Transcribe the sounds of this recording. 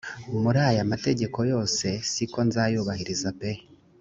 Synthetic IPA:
umuɾaːjamate̞ɟe̞ko̞jo̞ːse̞siko̞nzaːjuβahiɾizape̞

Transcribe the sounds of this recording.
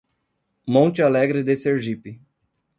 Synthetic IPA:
mõnt͡ʃɪalɛɡɾɪd̪eseɾʒipɪ

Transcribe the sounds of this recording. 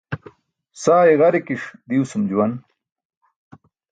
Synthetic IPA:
saːeɣɐɾekiʂd̪iwsumd͡ʑuwɐn

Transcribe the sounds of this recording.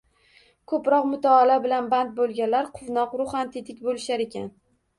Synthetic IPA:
kʰɵpɾɒqmʊt̪ʰaːlabɪlanbant̪̚bolˠɡʲanlaɾqʰʊvnɒqɾʊχant̪ʰit̪ʰɪkʲbolɪʃaɾe̞kʲa̰n

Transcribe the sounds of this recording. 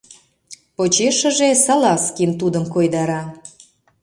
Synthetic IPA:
pot͡ɕeʃə̆ʒesɑlɑskint̪ud̪əmkojd̪ɑɾɑ

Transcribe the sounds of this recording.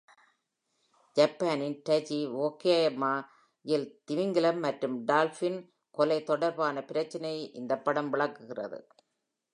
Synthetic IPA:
d͡ʒɐpːaːnɪnʈɐd͡ʒioːkːjajɐmaː | jɪlt̪ɪʋɪŋɡɪlɐmːɐʈrɯmɖaːlfɪn | kɔlɐɪt̪ːɔɽɐɾbaːnɐpɪɾɐt͡ʃːɐnɐjʔɪnd̪ɐpːɐɽɐmʋɪɭɐkːɯɣɪrɐ̰ðɯ̰

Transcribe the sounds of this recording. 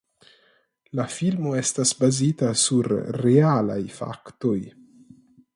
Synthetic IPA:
lafilmo̞estasbazitasuɾːeala̰jfa̰kto̞j

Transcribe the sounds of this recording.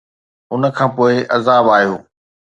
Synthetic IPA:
ɦʊnə̆kʰãːpoːɪʔɐzaːbaːɦijoː

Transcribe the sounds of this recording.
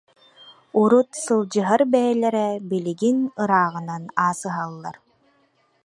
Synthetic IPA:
uɾut̪sɯlˠd͡ʑɯɦaɾbɛjɛlɛɾɛbiliɡinɯɾaːʁɯnanaːsɯɦalˠːaɾ

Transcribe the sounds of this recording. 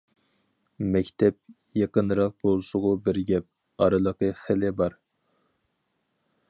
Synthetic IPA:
mɛkʲt̪ʰɛp̚ | jɑqənɾɑq̚bolˠsʊʁʊbɪɾɡʲɛp̚ | ɑɾɨlˠəqəχɪlɪbɑɾ

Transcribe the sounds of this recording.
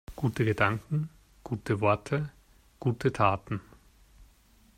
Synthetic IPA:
ɡ̥uːtəɡədaŋkŋ̩ | ɡ̥uːtʰəvɔɐtʰə | ɡ̥uːtʰətʰaːtn̩

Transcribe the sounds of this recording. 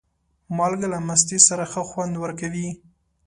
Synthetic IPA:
mɑlɡalamas̬t̪isaɾaxəxwand̪wəɾkawi

